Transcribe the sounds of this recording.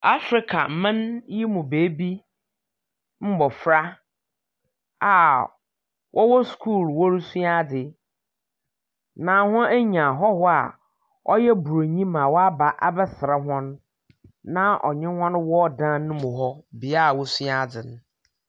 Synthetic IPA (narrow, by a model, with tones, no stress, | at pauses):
a˦fɾɪ˨kʰa̰˨m̩˨mã˦nji˦mũ˨beː˨˦bi˦ | m̩˦bɔ˨fɾa˦ | a˨ | wʔɔ˦wɔ˦skʰuː˦˨lwɔ˦ɾi˦su˦a˦dɪ˨ | nã˨hʊ̃˦æ˦ɲã˨ɦɔ˦hɔ˦a̰˨ | ɔ̰˦jɛ˦bu˨ɾo˨ɲĩ˦mã˨wɔ˦a˦ba˨ʔa̰˦bɛ˦sɾɛ˦ɦɔ̃˦nː | ã˦ʔɔ̰˨ɲɪ̃˦hɔ̃˦n˦wɔ˦dãː˦nʊ̃˦mʊ̃˨ɦɔ˦bɪ˨a˦˨wɔ˦su˦a˦˨dɪ˨n˦